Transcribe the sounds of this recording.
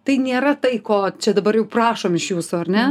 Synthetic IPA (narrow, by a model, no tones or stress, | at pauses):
t̪ɐɪnʲeːɾɐt̪ɐɪkoːt͡ʃʲɛd̪ɐbɐɾjɛʊprɑːʃoːmɪʃjuːsʊɐrnʲɛ